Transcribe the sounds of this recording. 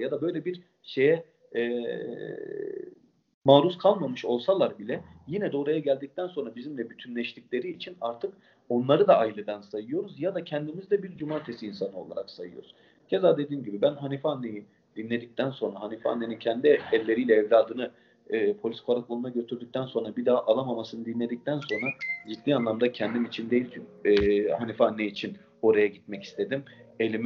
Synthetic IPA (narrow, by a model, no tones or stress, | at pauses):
jad̪abø̞jlʲɛbiɾ | ʃe̞jɛ | ɛː | maːɾuskʰalˠmamɯʃo̞lˠsalˠaɾbilʲɛjinɛd̪o̞ːɾajaɟælʲd̪ic̚t̪ʰænso̞nɾabizimlʲɛbyt̪ʰynlʲɛʃt̪iclʲe̞ɾiːt͡ʃʰinaɾt̪ʰɯk | o̞nlˠaɾɯd̪aːjilʲed̪ansajɯjo̞ɾuzjad̪acʰɛnd̪imizd̪ɛbiɾd͡ʒumaːɾt̪ʰe̞siːnsanɯo̞lˠa̰ɾa̰ksajɯ̰joɾz̥ | ɟ̥e̞zaːd̪e̞d̪iːmɟibibænɦanifɛanːe̞ji | d̪̥inlʲe̞d̪ic̚t̪ʰænso̞nɾaɦanifa̰nːenincʰɛnd̪iɛlʲːe̞ɾijlʲɛːvlʲaːd̪ɯnɯː | pʰolʲiskʰoɾakolˠunaɟø̞t̪ʰyɾd̪yc̚t̪ʰænso̞nɾabid̪aːʔalˠamamasɯnɯd̪inlʲe̞d̪ic̚t̪ʰænso̞nɾad͡ʒid̪ːiːanlˠamd̪acʰɛnd̪imit͡ʃʰind̪e̞jilʲt͡ʃʰɛhanifanːeiːt͡ʃʰin | o̞ɾajaɟit̪̚mɛci̥st̪ʰe̞d̪ime̞lʲim